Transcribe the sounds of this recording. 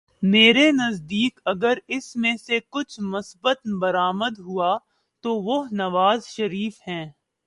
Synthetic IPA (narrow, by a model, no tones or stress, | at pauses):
meːɾenɐzd̪iːkɐɡəɾɪsmẽsekʊt͡ʃʰmʊsbət̪bɐɾaːməd̪ɦua | t̪oʋoɦnɐʋaːzʃɐɾiːfɦɛ̃ː